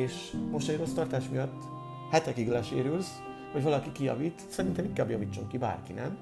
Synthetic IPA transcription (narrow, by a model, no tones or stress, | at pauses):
eːʃmo̞ʃt̪ɛjro̞st̪ɒrt̪aːʃmijɒt̪ː | hɛt̪ɛkiɡlɛʃḛːɾyls | ho̞ɟvɒlɒkikijɒ̰viːt̪sɛɾint̪ɛmiŋkaːbjɒviːt͡ʃːo̞ŋkiba̰ːrkinɛ̰n